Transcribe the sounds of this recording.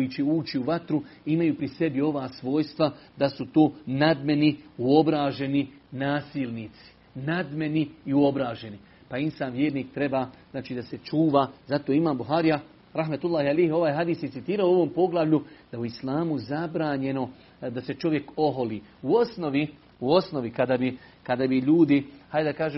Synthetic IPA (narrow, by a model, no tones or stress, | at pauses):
ojit͡ɕeuːt͡ʃiuʋat̪ɾuimajuːpɾise̞bjio̞ʋaːsʋo̞ːjst̪ʋad̪asut̪oːnad̪me̞niuo̞bɾaːʒe̞ninaːsiːlnit̪si̥ | nad̪me̞niiuo̞bɾaːʒe̞ni | painsaːnʋjeːɾniːk̚t̪ɾe̞baːznaːt͡ʃiːd̪ase̞t͡ʃuːʋaːzat̪oimaːmbuɦaːɾija | ɾaɦmat̪ulːˠaːhialeːho̞ʋaːjɦad̪iːsjesit̪iːɾaoo̞ʋo̞ːmpo̞ɡlˠaʋʎud̪̥auislaːmuzabɾaːɲe̞no̞ | d̪ase̞t͡ʃo̞ʋje̞ko̞ɦoliːuosnoʋi | uo̞sno̞ʋikad̪abi | kad̪abiʎuːd̪ihajd̪akaːʒeː